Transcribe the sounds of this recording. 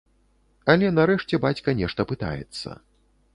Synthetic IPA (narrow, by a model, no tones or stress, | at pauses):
ɐlʲɛnaɾɛʂt͡sʲɛbat͡sʲkɐnʲɛʂt̪ɐpɨt̪a̰jɛ̰t̪sːɐ̰